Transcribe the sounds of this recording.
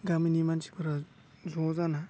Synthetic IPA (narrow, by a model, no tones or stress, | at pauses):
ɡaminimansi̥pʰɯɾa | zɔzana